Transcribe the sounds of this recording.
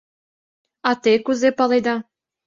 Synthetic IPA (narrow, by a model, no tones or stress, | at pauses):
ɑt̪ekuzepɑlejd̪ɑ